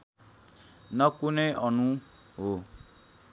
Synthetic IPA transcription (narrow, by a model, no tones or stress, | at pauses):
nʌ̃kuneʔɔnũɦo